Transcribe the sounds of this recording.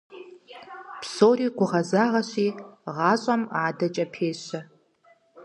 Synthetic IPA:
pʰsoriɡʷʊʁazaʁaʃʷiʁaɕʷʼamaːdat͡ʃʼɐpʰeːʃʷa

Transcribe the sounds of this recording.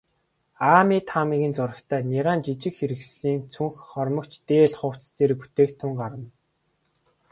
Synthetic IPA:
aːmiːt̪ʰamiːɣɘ̆nt͡sʊɾə̆kt̪ʰæːnʲiʁaːnt͡ɕit͡ɕɪ̆kxeɾɘ̆xsɮiːnt͡sʰuŋxχɔrmɞ̆kt͡ɕt̪eːɮχʊw̥t͡st̪eːrput̪ʰeːkt̪ʰʊŋɢaɾə̆n

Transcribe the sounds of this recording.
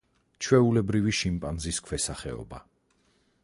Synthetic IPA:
t͡ʃʰwɛulɛbɾiviʃimpʼanziskʰwɛsaχɛ̰ɔ̰ba

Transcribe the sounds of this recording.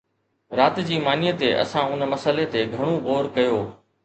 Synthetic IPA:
ɾaːt̪d͡ʑiːmaːnɪjət̪eʔɐ̰sãʊnmɐsəlet̪eːɡʱɐɽ̃õɣoːɾkɐjoː

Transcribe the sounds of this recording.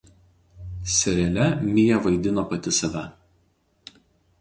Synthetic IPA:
sʲɛɾʲɛlʲɛmʲɪjɛʋɐɪd̪ʲɪnoːpɐt̪ʲɪsɐʋʲɛ

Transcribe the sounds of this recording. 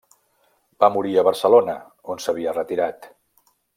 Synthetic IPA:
bamuɾiəβəɾsəlonə | onsəβ̞iərət̪iɾat̪

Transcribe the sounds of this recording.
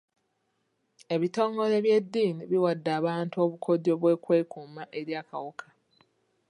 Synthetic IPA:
e̞βito̞ːŋɡo̞le̞βje̞dːiːniβiwadːaːβaːntuo̞βukʰo̞do̞ːβwe̞kwe̞ːkumaʔeɾjaːka̰wokʰḁ

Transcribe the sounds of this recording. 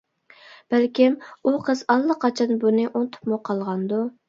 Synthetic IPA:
b̥ælkʲɪmuqʰəz̥ɑlˠlːˠəqʰɑt͡ʃʰɑnbunɨʔont̪ʰʊ̥pmʊqʰɑlˠʁɑnd̪u

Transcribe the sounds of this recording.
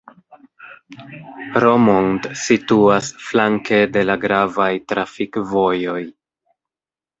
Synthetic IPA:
ɾomontsituasflaŋke̞de̞laɡɾavajtɾafikvo̞jo̞j

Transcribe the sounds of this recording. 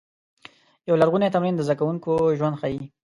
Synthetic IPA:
jawlaɾɣunet̪amɾind̪əzd̪akawuŋkoʒwand̪xai

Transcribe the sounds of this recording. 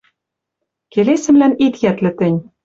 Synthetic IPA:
kelesɘ̆mlænit̪jæt̪lɘ̆t̪ɘ̆nʲ

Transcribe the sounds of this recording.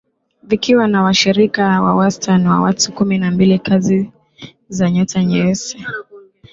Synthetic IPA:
vikiwanawaʃiɾikawawastʰanwa̰watukuminambilikazi | zaɲɔtaɲɛɛsɛ

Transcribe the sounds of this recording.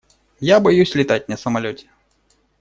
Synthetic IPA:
jabajusʲlʲit̪atʲnɐsɐmalʲɔt͡sʲɛ̥

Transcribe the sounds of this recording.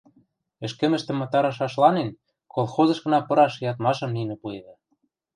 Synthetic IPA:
ɘ̆ʃkɘ̆mɘ̆ʃt̪ɘ̆mːɑt̪ɑɾɑʃ̬ɑʃlɑnen | kolˠxozɤ̆ʃɣɤ̆nɑpɤ̆ɾɑʃjɑt̪mɑʃɤ̆mninĕpued̪ɑ

